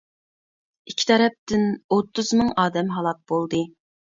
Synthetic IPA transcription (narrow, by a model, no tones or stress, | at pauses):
ikʲʰːi̥t̪ʰɛɾɛp̚t̪ɪnot̪ːɨzmɨŋɑːd̪ɛmɦɑlˠɑt̪̚b̥olˠd̪ɨ